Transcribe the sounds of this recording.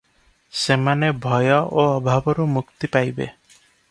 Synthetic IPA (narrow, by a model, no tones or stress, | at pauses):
semanebʱɔjɔʔoɔbʱabɔɾumukt̪ipajbḛ